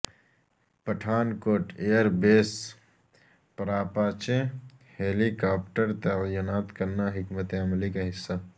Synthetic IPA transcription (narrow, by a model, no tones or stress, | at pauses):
pəʈʰaːnkoːʈeːjəɾbeːs | pɾaːpaːt͡ʃẽ | heːlikaːpʈəɾt̪ɐjinaːt̪kəɾnaɦɪkmət̪eɐmlikaɦɪsːa